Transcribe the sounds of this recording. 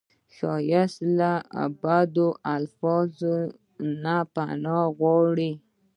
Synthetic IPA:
ʃɑjaslaa̰bad̪oʔalfɔzo | napanɑɣwɑɽi

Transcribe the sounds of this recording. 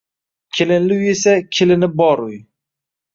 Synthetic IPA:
kʲʰelɪnlɪwjesakʲʰɪlɪnɪbɒɾʊj

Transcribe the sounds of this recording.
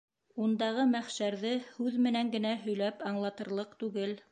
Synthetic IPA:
und̪ɑʁɤmæχʃæɾðɘhʉðmɘ̆næŋɡɘ̆næɦɵ̆jlæpɑɴlˠɑt̪ɤ̆ɾlˠɤqt̪ʉɡɘl

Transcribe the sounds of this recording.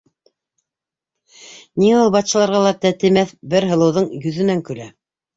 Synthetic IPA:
niŋæulˠbɑt̪ʃɑ̆lˠɑɾʁɑlˠɑt̪æt̪ɘ̆mæθbɘɾɦɤ̆lˠɤ̆wðɤɴjɵ̆ðɘ̆næŋkɵ̆læ

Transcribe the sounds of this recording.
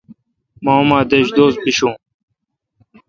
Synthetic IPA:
maːmãːd̪eːɕd̪oːs̚biɕũː

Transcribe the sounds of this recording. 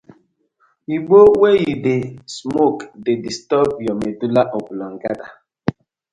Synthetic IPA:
iɡ͡bowejidesmokdedistɔpjɔmedulaʔɔbulɔŋ̩ɡada

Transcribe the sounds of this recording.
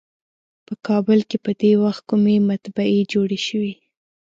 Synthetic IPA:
pəkɑbəlkepəd̪ewaxt̪̚kumemat̪baed͡ʒoɽeʃəwi

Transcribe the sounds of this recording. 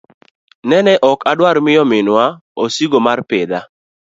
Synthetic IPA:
nɛnɛʔɔkadwaɾmɪjɔmɪnwa | osiɡomarpɪd̪a

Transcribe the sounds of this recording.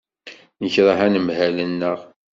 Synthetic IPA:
nəçɾˤəɦænəmhælənːəʁ

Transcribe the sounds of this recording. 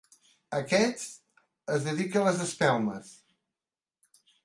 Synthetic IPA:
əkɛt͡s | əzðəðikələzəspɛlˠməs

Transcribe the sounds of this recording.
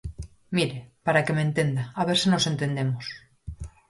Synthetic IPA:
miɾepaɾake̞mẽnt̪e̞nd̪aːβ̞eɾsino̞se̞nt̪e̞nd̪e̞mos

